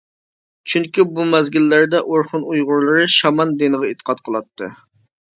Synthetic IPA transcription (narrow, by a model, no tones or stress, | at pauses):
t͡ʃʰyŋkʲibumɛzɡʲilːɪɾd̪ɛʔoɾχʊnujʁʊɾlˠɨɾɨʃɑmɑnd̪enɨʁɑet̪ʰːə̥qʰɑt̪qʰəlˠɑt̪ʰːɨ̰